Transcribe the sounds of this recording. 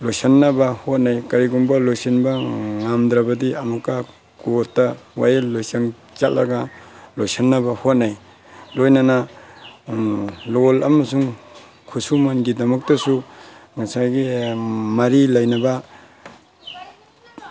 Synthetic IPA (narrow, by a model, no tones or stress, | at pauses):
lojsanːɐbɐhot̚najkaɾiɡumbɐlojsinbɐŋamd̪ɾabɐdiɐmukːa | kotːawajellojsaŋ | t͡ʃatlːa̰ɡalojsanːɐbɐhot̚naj | lojnana | lolɐmɐsuŋ | kʰusumanɡidɐmɐk̚tɐsuŋasajɡimɐɾilɐjnɐba